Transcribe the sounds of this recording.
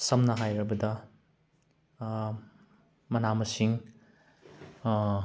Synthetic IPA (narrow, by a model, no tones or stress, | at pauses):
sɐmnɐɦajɾɐbɐdɐ | mɐnamɐsiŋ